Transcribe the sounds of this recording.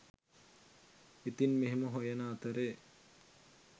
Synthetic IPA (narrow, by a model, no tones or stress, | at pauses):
it̪inmeɦeməɦojɐnaːt̪əɾe